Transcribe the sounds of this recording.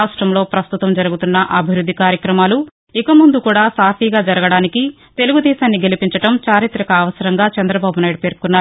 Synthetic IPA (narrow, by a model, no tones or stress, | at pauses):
aːʂʈɾɐmlo̞ːpɾɐst̪ut̪ɐmd͡ʒɐɾuɡut̪unːɐʔɐbʱiɾud̪ʱːikaːɾjɐkɾɐmaːlu | ikɐmund̪ukuːɽaːsaːpʰiːɡaːd͡ʒɐɾɐɡɐɽaːniki | t̪e̞luɡud̪ɛːʃaːnːiɡe̞lipiɲt͡ʃɐʈɐmt͡ʃaːɾit̪ɾɐkɐːʋɐsɐɾɐŋɡaːt͡ʃɐnd̪ɾɐbaːbunaːjɽupe̞ːɾkunːaː